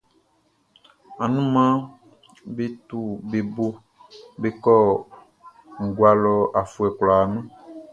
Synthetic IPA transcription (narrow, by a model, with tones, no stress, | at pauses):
a˨nũ˦mã˦ | be˦t̪u˦be˨bo˦ | be˦kɔ˦ | ŋ̩˨ɡu˨a˨lɔ˨a˨fu˨ɛ˨klɔ˨a˨nã˦